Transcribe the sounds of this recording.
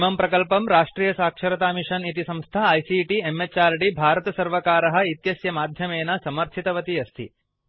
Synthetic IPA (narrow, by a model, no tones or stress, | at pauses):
mɐmpɾɐkɐlpɐmɾaːʂʈɾiːjɐsaːkʂɐɾɐt̪aːmiʂɐnit̪isɐ̃mst̪ʰɐɐjsiʈiemːet͡ʃaːɾɖibʱaːɾɐt̪ɐsɐɾʋɐkaːɾɐɦɐ̆it̪jɐsjɐmaːd̪ʱjɐmeːnɐsɐmɐɾt̪ʰit̪ɐʋɐt̪iɐst̪ʰḭ